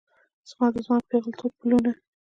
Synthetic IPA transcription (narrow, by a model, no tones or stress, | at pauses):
z̥mɑd̪əzmɑpeɣəlt̪ʰot̪̚pʊluna